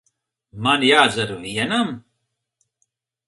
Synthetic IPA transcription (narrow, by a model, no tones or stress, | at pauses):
mɐnjaːzɐɾuijenɐm